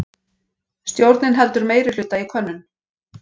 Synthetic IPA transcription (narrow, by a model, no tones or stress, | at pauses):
st̪jowɾt̪nɪnɦɛlt̪ʏɾmeːjɾɪl̥ʏt̪ːaikʰœnːʏn